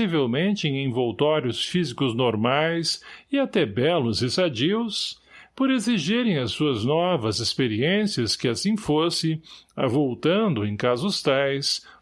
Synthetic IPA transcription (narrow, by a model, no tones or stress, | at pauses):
ivewmẽnt͡ʃɪẽj̃ẽj̃vowt̪ɔɾjʊsfizikʊznoɾmajsɪat̪ɛbɛlʊzɪsad͡ʒiws | poɾeziʒiɾẽj̃ɐsuɐznɔvɐzɪspeɾiẽsiɐskɪasĩfosɪa̰vowt̪ɐ̃nd̪ʊẽj̃kazʊst̪ajs